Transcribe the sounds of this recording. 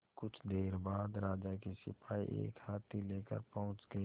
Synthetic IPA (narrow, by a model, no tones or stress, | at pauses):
kʊt͡ʃʰd̪eːɾbaːd̪ɾaːd͡ʒakisɪpʰaːḭʔḛːkhaːt̪ʰileːkə̰ɾpɐɦʊ̃t͡ʃɡəi